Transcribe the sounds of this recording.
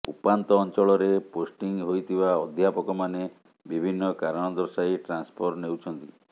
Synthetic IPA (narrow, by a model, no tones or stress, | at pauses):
upant̪ɔːnt͡ʃɔɭɔɾeposʈiŋɦojt̪ʰibaɔd̪ʱjapɔkɔmane | bibʱinːɔkaɾɔɽ̃ɔd̪ɔɾsajʈɾanspʰɔɾnewt͡ʃʰɔnt̪i